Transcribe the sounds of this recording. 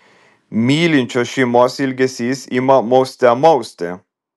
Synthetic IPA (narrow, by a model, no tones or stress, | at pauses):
miːlint͡ʃʰɔʃimɔsilɡesisimamost̪ɛmowst̪ɛ̰